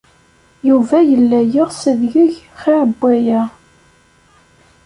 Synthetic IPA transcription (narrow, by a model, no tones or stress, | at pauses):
juvæjəlːæjəʁsəðʝəʝ | χiʕəbːæjæ